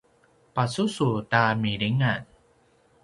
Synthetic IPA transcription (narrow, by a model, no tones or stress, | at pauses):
pasusutamiɾiŋan